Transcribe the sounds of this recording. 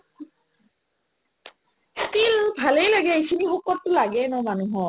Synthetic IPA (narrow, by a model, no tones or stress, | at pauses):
skilbʱalejlaɡɛikʰinixɔkɔtːʊlaɡɛnɔmanuɦɔ